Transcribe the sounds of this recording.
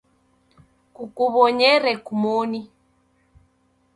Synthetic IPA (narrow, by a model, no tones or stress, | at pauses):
kukuβɔɲɛɾɛkumoni